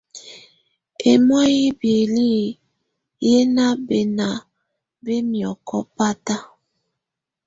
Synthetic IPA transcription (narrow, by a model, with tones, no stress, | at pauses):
e˨mɔ˦ji˦bje˨li˦ | je˦na˦be˨na˨ | be˦mjɔ˨kɔ˦pa˦ta˦